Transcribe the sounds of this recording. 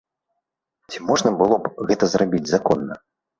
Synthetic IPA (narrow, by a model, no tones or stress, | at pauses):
t͡sʲimɔʐnɐbɨlˠɔbɣɛt̪ɐzrabʲid͡zʲzakɔnːɐ